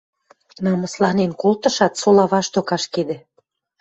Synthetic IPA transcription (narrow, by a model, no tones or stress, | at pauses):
nɑmɤ̆slɑnenkolt̪ɤ̆ʃɑt̪solɑβɑʃt̪okɑʃked̪ĕ